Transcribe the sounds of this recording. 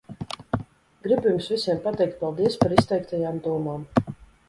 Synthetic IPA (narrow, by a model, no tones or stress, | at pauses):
ɡɾibʲjumsvʲisiɛmpat̪ɛjk̚t̪̚palˠd̪iɛspaɾist̪ɛjkt̪ajaːmd̪uɔmaːm